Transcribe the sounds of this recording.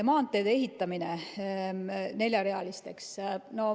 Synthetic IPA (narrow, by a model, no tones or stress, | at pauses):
mɑːnt̪ːˑejd̪̥ee̞ɦit̪ːˑɑmine | ne̞ljɑɾe̞ɑlist̪e̞ksno̞